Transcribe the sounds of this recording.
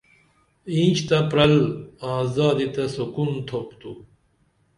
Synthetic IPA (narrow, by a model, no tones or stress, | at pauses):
ĩːt͡ɕt̪apɾɐlaːzaːd̪it̪ɐsukunt̪ʰopt̪u